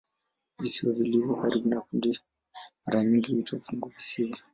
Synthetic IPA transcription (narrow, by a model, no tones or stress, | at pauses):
βisiwɔβiliβɔhaɾibunakundi | maɾaɲiŋɡiβitʰovuŋɡuβisiβi